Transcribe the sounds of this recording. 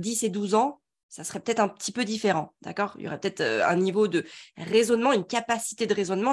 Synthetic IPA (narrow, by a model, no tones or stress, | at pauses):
d̪ised̪uzɑ̃ | sasəʁɛpø̥t̪ɛt̪χɛ̃pə̥t̪ipød̪ifeʁɑ̃d̪a̰kɔːʁḭljo̰ʁɛpø̥t̪ɛt̪χøɛ̰̃nivod̪əʁezɔnmɑ̃ynkapasi̥t̪ed̪əʁezɔnmɑ̃